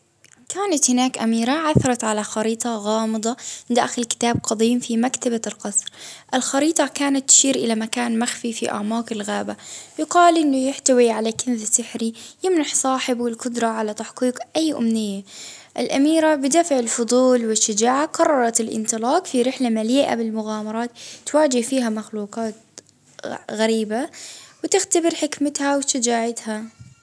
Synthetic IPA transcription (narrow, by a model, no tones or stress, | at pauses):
kaːnat̪hɪnaːkʔamiːɾaʕaθɑɾˤɑt̪ʕalaxɑɾiːt̪ˤɑɣɑːmɨd̪ˤɑd̪aʔxɪlkɪ̥t̪aːb̚qɑd̪ˤiːmfimakt̪abalqɑsˤɾʔɪlxɑɾiːt̪ˤɑkaːnat̪ːɪ̥ʃiːɾʔɪlamakaːnmaxfifiʔa̰ʕmɑːkɪlɣaːbajʊqɑːlʔɪnːʊjɪħt̪awiʕalakɪnðsɪħɾijɪmnaħsˤɑːħɪbwɪlkʊd̪ɾˤɑʕalat̪aħqiːqʔajːʔʊ̰mnɪjːa | ʔɪlʔamiːɾabɪd̪afʕɪlfʊd̪ˤuːlwɪʃːad͡ʒaːʕaqɑrˤːɑɾˤɑt̪ɪlʔɪ̰nt̪ˤɨlɑːqfiɾɪħlamaliːʔa̰bɪlmʊɣaːmɑɾˤɑːt̪ːwaːd͡ʒɪhfiːɦamaxluːqɑːt̪̚ | ɣaɾiːbawɪt̪ɪxt̪abɪɾħɪkmɪt̪hawʃad͡ʒaːʕat̪ha